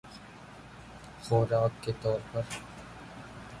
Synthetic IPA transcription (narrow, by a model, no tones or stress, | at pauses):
xɔːɾaːkːet̪ɔːɾpɐɾ